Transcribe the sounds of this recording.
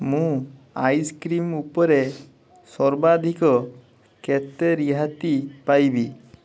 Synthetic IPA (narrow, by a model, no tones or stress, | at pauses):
mũ | ajskɾimupɔɾe | sɔɾbad̪ʱikɔ | ket̪eɾiɦat̪ipajbi